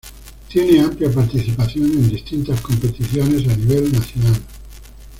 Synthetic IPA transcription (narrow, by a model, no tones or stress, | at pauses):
t̪jeneampljapaɾt̪iθipaθjonẽnd̪ist̪int̪askompet̪iθjones̬aniβ̞elnaθjonal